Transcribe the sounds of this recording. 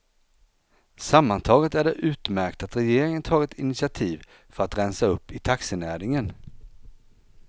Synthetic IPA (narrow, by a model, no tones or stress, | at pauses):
samːant̪ʰɑːɡət̪æɖɛʔʉ̟ːt̪mæɾkt̪at̪ɾɛjeːɾɪŋənt̪ʰɑːɡɪt̪ʰɪnɪt̪sɪat̪ʰiːv | fœɾat̪ɾɛnsaɵpːɪt̪ʰaksənæːɾɪŋən